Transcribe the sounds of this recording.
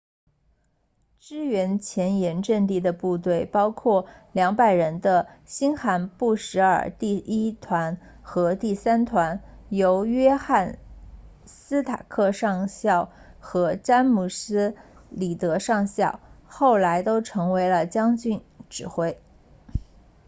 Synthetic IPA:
ʈ͡ʂɻ̩˥ɥɛ˧˥nt͡ɕʰjɛ˧˥njɛ˧˥nʈ͡ʂə˥˧ŋt̪i˥˩d̪ə˨pu˥˧t̪we˥˩ɪpɑ˥ʊkʰwɔ˥˩ljɑ˧˥ŋpa˨˩ɪɻə˧˥nd̪ə˧ɕi˥nxa˧˥npu˥˩ʂɻ̩˧˥ə̰˞˨˩t̪i˥˩i˥t̪ʰwa˧˥n | xɤ˧˥t̪i˥˩sa˥nt̪ʰwa˧˥njo˧˥ʊɥɛ˥xa˥˩n | sɹ̩˥t̪ʰa̰˨˩kʰɤ˥˧ʂɑ˥˧ŋɕjɑ˥˩ʊ | xɤ˧˥ʈ͡ʂa˥nmu˨˩sɹ̩˥ | li˨˩t̪ɤ˧˥ʂɑ˥˧ŋɕjɑ˥˩ʊxo˥˩ʊla˧˥ɪt̪o˥ʊʈ͡ʂʰɤ˧˥ŋwe˧˥ɪlə˧t͡ɕjɑ˥ŋt͡ɕy˥˩nʈ͡ʂɻ̩˨˩xwe˥˩ɪ

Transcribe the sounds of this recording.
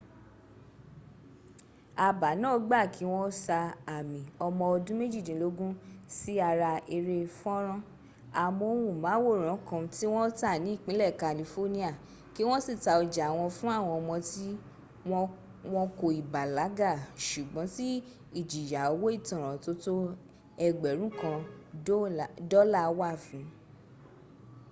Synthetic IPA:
a˨ba˨˦nãː˦˨˦ɡ͡ba˦˨ki˨˦w̃ɔ̃˦sa˧a˨mĩ˨ɔ˧mɔ̃˧ɔ˧dũ˦me˦d͡ʒi˦˨dĩ˨lo˨˦ɡũ˦si˦a˧ɾa˧ʔe˧ɾe˦˧fɔ˦ɾ̃ɔ̃˦ | a˨mo˨˧˨wũ˨mãː˨˦wo˦˨ɾ̃ɔ̃˨˦kã˧˦ti˦w̃ɔ̃˦ta˦˨nĩ˨˦˨k͡pĩ˨˦lɛ˦˨ka˨li˧fo˦nĩ˦a˦˨ | ki˦w̃ɔ̃˦si˦˨ta˨ɔ˧d͡ʒa˨w̃ɔ̃˧fũ˦a˦˨w̃ɔ̃˧ɔ˧mɔ̃˧ti˦˧ | wɔ̃˧ko˧i˨ba˨la˨˦ɡa˦˨ʃu˨ɡ͡bɔ̃˨˦ti˦ | i˦˨d͡ʒi˨ja˨o˨˦wo˦i˦˨tɔ̃˨ɾ̃ã˨to˦to˦ | ɛ˧ɡ͡bɛ˨ɾ̃ũ˨˦kã˧˦ | dɔ˦la˦˨˦wa˦˨fĩ˨˦

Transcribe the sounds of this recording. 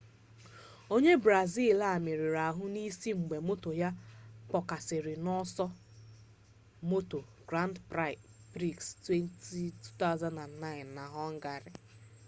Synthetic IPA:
o˦ɲe˦bɾa˨zi˦˨la˨mɪ˨ɾi˨ɾa˨ɦʊ˦ni˦si˦ŋ͡m̩˨ɡ͡be˨mo˦to˨ja˦k͡pɔ˨ka˨sɪ˨ɾɪ˨nɔ˦sɔ˦ | mo˦to˨ɡɾa˦ndpɾa˦˨ | pɾi˦˨kstwe˦nti˦tu̥˦ta˦ʊ˦za˦nda˨nːa˦ɪ˨nːa˨ɦɔ˦ŋ̩˦ɡa˨ɾɪ˨

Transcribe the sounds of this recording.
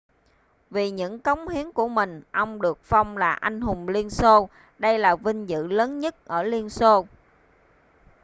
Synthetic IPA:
vi˨˩ɲɨ̰˧˥ŋkɔ˨˦wŋ͡mhi˨˦əŋku˧˩əmï˨˩ŋ̟ʔɔ˧wŋ͡mɗɨ˨˩ək̚fa˧wŋ͡mlaː˨˩ʔa˧jŋ̟ɦʊ˨˩ŋ͡mli˧ənso˧ | ɗə˧jlaː˨˩vï˧ŋ̟zɨ̰˧˨ləː˨˦nɲə˦˥t̚ʔəː˧˩li˧ənso˧

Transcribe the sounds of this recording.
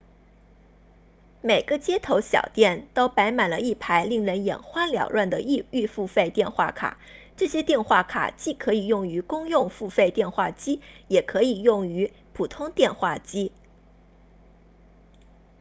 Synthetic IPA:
me˨˩ɪɡə˦t͡ɕjɛ˥t̪ʰo˧˥ʊɕjɑ̰˨˩ʊt̪jɛ˥˩nt̪o˥ʊpa˧˥ɪma˨˩nlə˦i˥˩pʰa˧˥ɪli˥˩ŋɻə˧˥njɛ̰˨˩nxwa˥nljɑ˨˩ʊlwa˥˩nd̪ə˩i˥˧y˥˧fu˥˧fe˥˧ɪt̪jɛ˥˧nxwa˥˩kʰa̰˨˩˦ʈ͡ʂɤ˥˩ɕjɛ˥t̪jɛ˥˧nxwa˥˩kʰa̰˨˩t͡ɕi˥˩kʰɤ˧˥i˨˩jʊ˥˩ŋy˧˥kʊ˥ŋjʊ˥˧ŋfu˥˧fe˥˧ɪt̪jɛ˥˧nxwa˥˩t͡ɕi˥jɛ˨˩kʰɤ˧˥i˨˩jʊ˥˩ŋy˧˥ | pʰu˨˩t̪ʰʊ˥ŋt̪jɛ˥˧nxwa˥˩t͡ɕi˥

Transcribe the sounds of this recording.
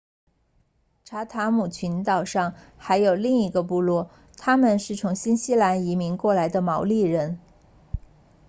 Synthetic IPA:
ʈ͡ʂʰa˧˥t̪ʰa˧˥mu˨˩t͡ɕʰy˧˥nt̪ɑ˨˩ʊʂɑ˥˩ŋ | xa˧˥ɪjo˨˩ʊli˥˩ŋi˧˥ɡə˧pu˥˧lwɔ˥˩ | t̪ʰa˥mə˨nʂɻ̩˥˩t͡sʰʊ˧˥ŋɕi˥nɕi˥la˧˥ni˧˥mi˧˥ŋkwɔ˥˩la˧˥ɪd̪ə˧mɑ˧˥ʊli˥˩ɻə˧˥n

